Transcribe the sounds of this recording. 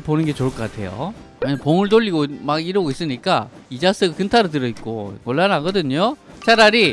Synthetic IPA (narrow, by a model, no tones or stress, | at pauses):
ponɯnɡe̞t͡ɕoɭk͈ʰʌk͈atʰe̞jo̰ | eɲanpoŋɯɭt̬oʎːiɡomaɡiɾʌɡois͈ɯɲik͈a | id͡ʑas͈ɯɡkɯntʰaɾotɯɾʌik͈omoɭːanaɡʌdɯɲo | t͡ɕaɾaɾi